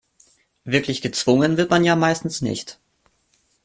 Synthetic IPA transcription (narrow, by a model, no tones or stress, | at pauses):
vɪɐklɪçɡ̥ət͡sv̥ʊŋənvɪɐtmanjaːmaɪstn̩snɪ̰çt